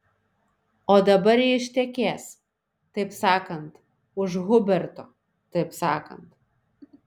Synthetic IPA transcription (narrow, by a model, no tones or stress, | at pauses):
oːd̪ɐbɐɾiɪʃʲt̪ʲɛkʲeːs | t̪ɐɪpsɑːkɐnt̪ | ʊʒɣʊbʲɛɾt̪o | t̪ɐɪpsɑːkɐ̰nt̪